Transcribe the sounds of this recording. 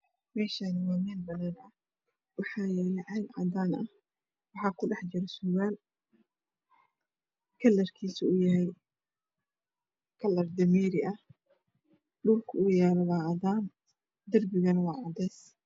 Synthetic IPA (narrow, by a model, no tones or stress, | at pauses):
mɛːʃanɪwɑːmɛːnbɐnaːnɐ | wɑħɑːjɛːlɛʕɑjlʕɑ̰d̪aːnɐh | wɑħɑːkʰʊɖɑħd͡ʒɪɾɛsʊɣaːl | kʰɐlːɐrkʰiːsʊʊjɐɦɛj | kʰɐlːɐrd̪ɐmiːɾɪʔɐh | ɖuːrkʰʊʊjaːlɐwɑːɑðaːn | d̪ɐrbɪɣɐnwɑːʕɑd̪ɛːs